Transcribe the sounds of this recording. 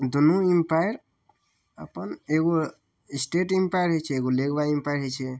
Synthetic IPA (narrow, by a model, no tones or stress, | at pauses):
d̪unuimpajɾ | ə̰pəneɡo | isʈeʈimpajɾɦot͡ʃʰɛːɡolekbaimpajɾɦet͡ʃʰɛ